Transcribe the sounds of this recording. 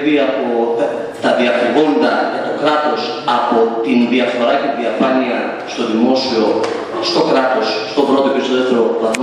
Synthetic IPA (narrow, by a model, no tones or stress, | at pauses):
ðiɐpo | t̪ɐðiɐfuɣo̞nd̪ɐt̪okɾɐt̪o̞s | ɐpo̞t̪inðiɐfo̞ɾɐcet̪iðiɐfɐniɐ | st̪o̞ðimo̞sio̞ | st̪o̞kɾɐt̪o̞sːt̪o̞pɾot̪opest̪oðeft̪eɾovɐm